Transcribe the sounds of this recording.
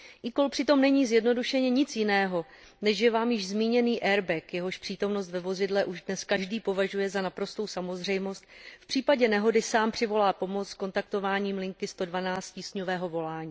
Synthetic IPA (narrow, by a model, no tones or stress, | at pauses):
ʔɪko̞lpr̥ɪt̪o̞mnɛɲiːzjɛdno̞duʃɛɲɛɲɪt͡sjɪnɛːɦo̞ | nɛʃʒɛvaːmjɪʒzmiːɲɛniːʔɛɾbɛkjɛɦo̞ʃpr̝̥iːt̪o̞mno̞st̪vɛvo̞zɪdlɛʔuʒdnɛskaʒdiːpo̞vaʒujɛzanapɾo̞st̪o̞wsamo̞zr̝ɛjmo̞st̪̚fpr̥iːpaɟɛnɛɦo̞dɪsaːmpr̝̥ɪvo̞laːpo̞mot͡ssko̞nt̪ak̚t̪o̞vaːɲiːmlɪŋkɪst̪o̞dvanaːt͡st̪ciːsɲovɛːɦo̞vo̞laːɲiː